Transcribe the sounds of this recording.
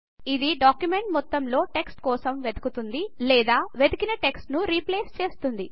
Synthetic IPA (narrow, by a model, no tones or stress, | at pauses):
id̪iɖaːkjume̞ɳʈmɔt̪ːɐmlo̞ːʈe̞ksʈkɔːsɐmʋe̞d̪ɐkut̪und̪ilɛːd̪aːʋe̞d̪ukinɐʈe̞ksʈnuɾiːpleːst͡ʃeːst̪und̪i